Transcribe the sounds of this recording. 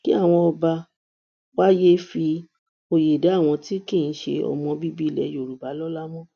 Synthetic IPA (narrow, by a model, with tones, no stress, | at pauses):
ki˦a˦˨w̃ɔ̃˧ɔ˧ba˧ | wa˦je˦fi˧ | o˧je˨da˨˦˨w̃ɔ̃˧ti˦kĩ˦˨ñ̩˨˦ʃḛ˧ɔ̰˨mɔ̃˧bi˦bi˦˨lɛ̰˨˦jo˨ɾu˨ba˨˦lɔ˦la˦mɔ̃˦